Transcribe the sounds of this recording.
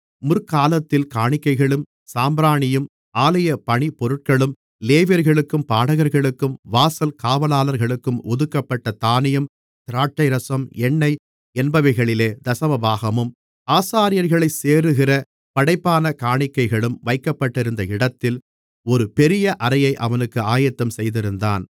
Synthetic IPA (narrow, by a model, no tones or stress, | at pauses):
mʊɾkaːlɐt̪ːɪlkaːɳɪkːɐɪɣɐɭɯm | saːmbɾaːɳɪjɯm | aːlɐjɐpɐɳipɔɾɯʈ̚kɐɭɯm | leːʋɐɾɣɐɭɯkːɯmpaːɽɐɣɐɾɣɐɭɯkːɯmʋaːsɐlkaːʋɐlaːlɐɾɣɐɭɯkːɯmɔðɯkːɐpːɐʈːɐt̪aːnɪjɐm | t̪ɪɾaːʈːɐɪɾɐsɐmɛɳːɐɪ | ɛnbɐʋɐɪɣɐɭɪleːd̪ɐsɐʋɐbaːɣɐmɯm | aːsaːɾɪjɐɾɣɐɭɐɪseːɾɯɣɪrɐ | pɐɽɐɪpːaːnɐkaːɳɪkːɐɪɣɐɭɯmʋɐɪkːɐpːɐʈːɪɾɯnd̪ɐɪɽɐt̪ːɪl | ɔɾɯpɛɾɪjɐʔɐɾɐjɐɪʔɐʋɐnɯkːɯaːjɐt̪ːɐmsɛjðɪɾɯnd̪a̰ːn